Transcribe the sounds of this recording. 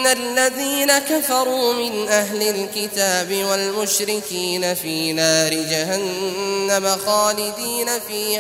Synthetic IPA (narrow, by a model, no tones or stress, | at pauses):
alːaðiːnakafɑɾˤuːmɪnʔaɦlɪlkɪt̪aːbɪwalmʊʃɾɪkiːnafiːnaːɾɪd͡ʒaɦanːamaxaːlɪd̪iːnafiː